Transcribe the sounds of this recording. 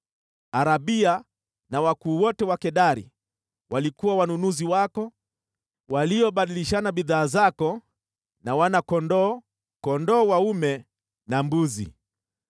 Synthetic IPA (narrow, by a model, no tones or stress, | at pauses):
aɾaɓia | nawakuːwɔtɛwakɛɗaɾḭ | walikuwawanunuziwakɔ | waliɔɓaɗiliʃanaɓiðaːzakɔ | nawanakɔndɔ | kɔndɔːwaumɛ | nambuzḭ